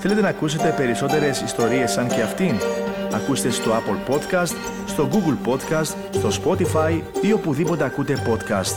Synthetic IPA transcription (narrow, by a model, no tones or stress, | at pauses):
θe̞let̪e̞nɐkuse̞t̪e̞pe̞ɾiso̞t̪e̞ɾe̞sist̪o̞ɾie̞sːɐnce̞ɐft̪inɐkust̪e̞st̪o̞ɐpolpo̞t̪kɐst̪ | st̪o̞ɡuɡulpo̞t̪kɐst̪ | st̪o̞spo̞t̪ifɐjio̞puðipo̞t̪e̞ɐkut̪e̞po̞t̪kɐst̪